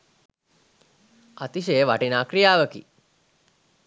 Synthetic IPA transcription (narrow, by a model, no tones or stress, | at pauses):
at̪iʃ̬eːʋaʈinaːkrijaːʋəkḭ